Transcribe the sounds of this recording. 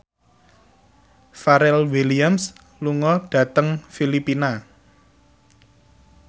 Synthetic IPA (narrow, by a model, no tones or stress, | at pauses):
faɾɛlwiliams | luŋɔɖ̥ä̤t̪əŋfilipina